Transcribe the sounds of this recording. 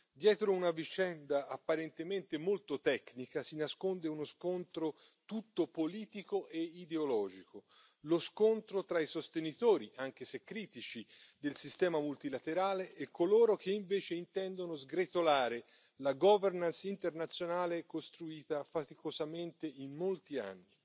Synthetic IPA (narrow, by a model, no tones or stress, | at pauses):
d̪jɛːt̪ɾounavit͡ʃɛnd̪aapːaɾent̪ement̪emolt̪ot̪ɛknikasinaskond̪eunoskont̪ɾo | t̪ut̪ːopoliːt̪ikoʔeid̪eolɔːd͡ʒiko | loskont̪ɾot̪ɾaisost̪enit̪oːɾiʔaŋk̟esekːɾiːt̪it͡ʃid̪elsist̪ɛːmamult̪ilat̪eɾaːleʔɛkːoloːɾok̟eiɱveːt͡ʃeint̪ɛnd̪onozɡɾet̪olaːɾe | laɡɔvernansint̪ernat̪sːjonaːlekost̪ɾuiːt̪afat̪ikozament̪einːolt̪ia̰nːi